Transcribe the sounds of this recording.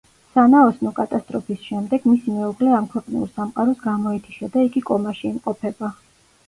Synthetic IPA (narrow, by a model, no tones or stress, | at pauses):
sanaɔsnɔkʼat̪ʼast̪ʼɾɔpʰisʃɛmd̪ɛɡ̥misimɛuʁlɛamkʰwɛqʼnḭuɾsamqʼaɾɔsɡamɔɛt̪ʰi̥ʃad̪aiɡikʼɔmaʃiːmqʼɔpʰɛba